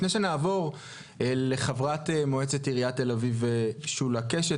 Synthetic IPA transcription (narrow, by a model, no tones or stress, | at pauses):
neʃenaːvo̞ʁ | ele̞χavʁat̪emoet͡setiʁiat̪ːe̞laviveʃulakeʃe